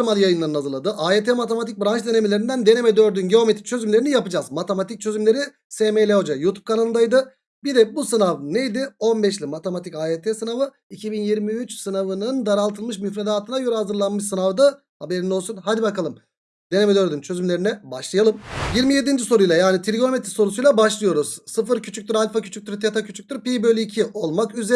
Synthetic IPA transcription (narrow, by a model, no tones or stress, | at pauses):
ɾmalʲˠjajɯnlˠaɾɯnazɯɾlˠad̪ɯʔaːet̪ʰemat̪emat̪ic̚bɾant͡ʃʰd̪e̞nemilʲeɾind̪ænd̪e̞ne̞mɛd̪øɾd̪ynɟeo̞met̪i̥ct͡ʃʰø̞zymlʲeɾinijapɯd͡ʒazmat̪ʰemat̪ʰic̚t͡ʃʰø̞zymlʲe̞ɾi | semejlʲeod͡ʒajuːt̪ʰu̥p̚kʰanalˠɯnd̪ajd̪ɯ | bid̪ɛbusɯnavnejd̪ɪo̞nbɛʃ̬lʲimat̪ʰemat̪ʰicaːet̪ʰesɯnavɯ | icʰibinjiɾmiyt͡ʃsɯnavɯnɯnd̪aɾalˠt̪ʰɯlˠmɯʃmyfɾed̪aːt̪ʰɯnajøɾhazɯɾlˠanmɯʃsɯnavd̪a | habe̞ɾino̞lˠsunɦad̪ibakalˠɯm | d̪̥enemed̪øɾd̪ynt͡ʃʰø̞zymlʲe̞ɾinɛbaʃlˠɯjalˠɯmjiɾmije̞d̪ind͡ʒiso̞ɾujlˠajaːnit̪ʰilʲiɡo̞met̪ɾso̞ɾusujlˠabaʃlˠɯjo̞ɾuz̥sɯfɯɾcʰyt͡ʃʰyc̚t̪yɾalʲfacʰy̥t͡ʃʰyc̚t̪ʰyɾt̪ʰet̪ʰacʰyt͡ʃʰy̥c̚t̪yɾpibølʲiːcʰiʔo̞lˠmakyze